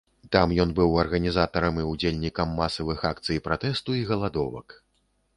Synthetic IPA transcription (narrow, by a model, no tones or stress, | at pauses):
t̪amjɔnbɨwɐrɣɐnʲizat̪ɐɾɐmiud͡zʲelʲnʲikɐmːasɐvɨxakt̪sɨjpɾat̪ɛst̪uiɣɐlˠad̪ɔvɐ̰k